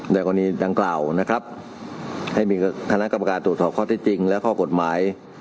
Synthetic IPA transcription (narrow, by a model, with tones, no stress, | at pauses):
daː˧˩jkɔː˧niː˦˧˥daː˧ŋklaː˨˩wna˦˥kʰɾa˦˥p̚ | ha˥˩jmiː˧kʰa˧na˦˥ʔka˧ma˧kaː˧nt̪ɾu˨˩sɔː˨˩kʰɔː˥˩t̪ʰiː˦˥˩t͡ɕi˧ŋlɛ˦˥wkʰɔː˥˩ko˨˩t̪̚maː˩˦j